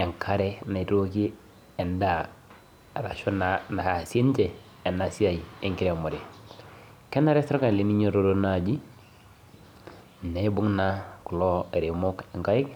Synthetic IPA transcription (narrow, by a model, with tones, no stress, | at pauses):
e˨ŋkʰa˦ɾɛ˦na˨i˨to˦ki˦ | ɛ˨nda˦˨ | ɾa̰˨ʃɔ˦n˨na˨ha˨se˦n˦t͡ʃɛː˨ | na˨si˦a˨i˨e˦ŋki˦ɾɛ˨mɔ˨ɾɛ˨ | kɛ˦na˦ɾɛ˦stɾɔ˦ka˨le˨˦ni˦ɲo˦ɾo˦ɾo˦na˨d͡ʒi˦˨ | ne˨˦bu˦ŋna˦ku˨lɔ˦e˨ɾe˨mo˦kɛ˨ŋka˦jɪ˦k